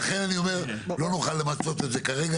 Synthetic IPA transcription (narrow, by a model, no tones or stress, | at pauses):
aχe̞nanio̞me̞ʁlo̞nuχalːe̞mat͡so̞t̪e̞t̪ze̞kaʁeɡa